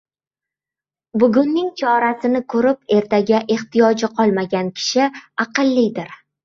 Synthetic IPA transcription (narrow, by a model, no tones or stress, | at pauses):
bʊɡʊnːɪŋt͡ʃʰɒɾasɪnɪkʰɵɾɪp̚e̞ɾt̪ʰaɡʲaʔe̞ht̪ʰijɒd͡ʒɪqʰɒlˠmaɡʲankʲʰɪ̥ʃɪɑqɨlˠːijd̪ɪɾ